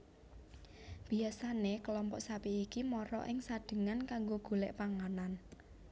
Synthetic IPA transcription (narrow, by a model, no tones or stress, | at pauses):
b̥iasanekəlɔmpɔʔsapiikimɔɾɔ̰ʔɪŋsad̥ə̤ŋankaŋɡoɡ̥ulɛ̰ʔpaŋanan